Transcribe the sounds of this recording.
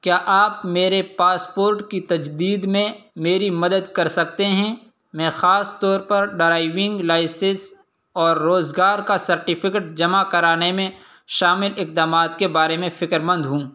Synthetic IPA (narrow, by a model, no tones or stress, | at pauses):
kjaːʔaːpmeːɾepaːspoːɾʈkit̪ɐd͡ʒd̪iːd̪mẽmeːɾimɐd̪əd̪kɐɾsɐk̚t̪eɦɛ̃ | mɛ̃ːxaːst̪ɔːɾpɐɾɖɾaːɪʋɪ̃ŋɡlaːɪsɪ̃s | ɔːɾːoːzɡaːɾkasɐɾʈɪpʰɪkəʈ̚d͡ʒɐmakɐɾaːnemẽ | ʃaːmɪlɪq̚d̪aːmaːt̪kebaːɾemẽfɪkɾmə̃nd̪ɦũː